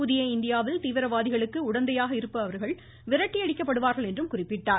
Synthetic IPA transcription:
uðɪjɐɪnd̪ɪjaːʋɪlt̪iːʋɪɾɐʋaːðɪɣɐɭɯkːɯʊɽɐnd̪ɐjaːɣɐɪɾɯpːɐɐʋɐɾɣɐɭ | ʋɪɾɐʈːiɐɽɪkːɐpːɐɽɯʋaːɾɣɐɭɛndrɯmkʊrɪpːɪʈːaːɾ

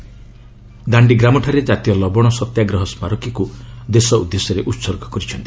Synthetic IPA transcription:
d̪aɳɖiɡɾamɔʈʰaɾed͡ʒat̪ijɔlɔbɔɽ̃ɔsɔt̪jaɡɾɔɦɔsmaɾɔkikud̪esɔud̪ːesɔɾeʔut̪sɔɾɡʱɔ̥kɔɾit͡ʃʰɔnt̪i

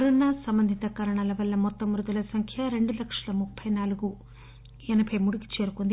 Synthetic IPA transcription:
ɐɾɔnːaːsɐmbɐnd̪ʱit̪ɐkɐɾɐɳalɐʋɐlːɐmɔt̪ːɐmɾud̪ulɐsɐŋkʰjɐɾe̞ɳɖulɐkʂɐlɐmupʰːɐjnaːluɡu | ɛnɐpʰɐjmuɽiki̥t͡ʃeːɾukond̪i

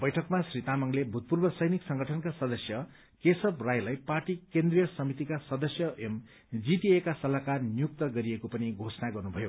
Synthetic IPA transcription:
bʌjʈʰʌkmasrit̪amʌŋlebʱut̪̚purbʌsʌjniksʌŋɡʱʌʈʰʌnkasʌd̪ʌsjʌ | kesʌbrajlajparʈikend̪rijʌsʌmit̪ikasʌd̪ʌsjʌem | d͡zit̪iekasʌlakarnijuk̚t̪ʌɡʌɾiekopʌniɡʱosʌnaɡʌrnubʱʌjo

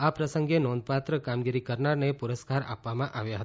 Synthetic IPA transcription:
apɾəsəŋɡenɔ̃nd̪pat̪ɾəkamɡiɾikəɾnaɾnepuɾəskaɾa̰pʋamãʔaʋjaɦət̪a

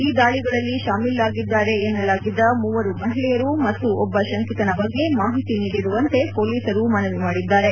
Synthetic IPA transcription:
iːd̪aːɭiɡɐɭɐlːiʃaːmiːlaːɡid̪ːaːɾe̞ːnːɐlaːɡid̪ːɐmuːʋɐɾumɐɦilɛjɐɾumɐt̪ːuʔɔbːɐʃɐŋkiːt̪ɐnɐbɐɡːe̞maːɦit̪iniːɽiɾuʋɐnt̪e̞po̞ːliːsɐɾumɐnɐʋimaːɽid̪ːaːɾe̞

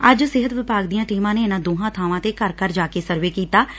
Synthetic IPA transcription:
əd͡ʒsɪɦət̪ʋɪpaːɡd̪ijãːʈiːmãːneːɪnãːd̪oːɦãːt̪ʰaːʋãːt̪eːkəɾkəɾd͡ʒaːkeːsəɾʋeːkiːt̪aː

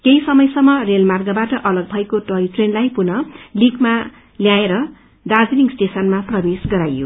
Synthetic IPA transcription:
kejsʌmʌjsʌmːʌrelmarɡʌbaʈʌʔʌlʌɡ̚bʱʌekoʈʌiʈrenlajpunʌliɡma | ljaeɾʌ | dad͡ziniŋɡsʈesʌnmaprʌbesɡʌɾajo̰

